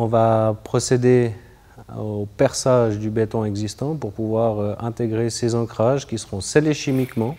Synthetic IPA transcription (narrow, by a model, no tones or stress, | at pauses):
ɔ̃vapχɔsed̪e | opɛʁsaʒd̪ybɛt̪ɔ̃ɛɡzist̪ɑ̃puʁpuvwaʁøɛ̃t̪eɡʁesezɑ̃kχaʒkʲisəʁɔ̃seleʃimikmɑ̃